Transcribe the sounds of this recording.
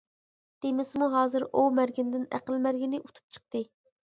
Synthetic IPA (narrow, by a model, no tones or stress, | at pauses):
d̪̥emɪsmuɦɑːzɨɾumæɾɡʲind̪ɪnæ̰qəlmæɾɡʲinɪʔut̪ʰu̥p̚t͡ʃʰə̥q̚t̪ɨ